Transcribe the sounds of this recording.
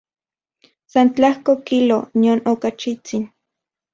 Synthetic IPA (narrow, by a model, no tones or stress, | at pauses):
sant͡ɬahkokilonionokat͡ʃit͡sin